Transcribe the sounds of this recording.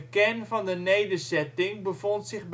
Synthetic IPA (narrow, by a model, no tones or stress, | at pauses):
kɛnfɑndənejdəzɛtɪŋbəfontsɪχb